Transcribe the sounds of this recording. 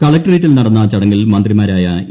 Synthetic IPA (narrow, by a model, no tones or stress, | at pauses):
kɐɭɐk̚ʈɐriːʈːilnɐɽɐnːɐt͡ɕɐɽɐŋːilmɐnd̪rimaːɾaːjɐ